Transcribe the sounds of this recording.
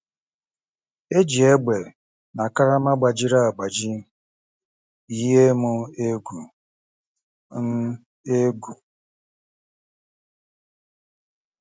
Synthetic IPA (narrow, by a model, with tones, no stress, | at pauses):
e˦d͡ʒi˨e˦ɡ͡be˨ | na˨ka˦ɾa˦ma˦ɡ͡ba˨d͡ʒi˦ɾa˦a˨ɡ͡ba˨d͡ʒi˦ | i˦ɦe˦mʊ˦e˦ɡu˨ | n̩˦ | e˦ɡu˨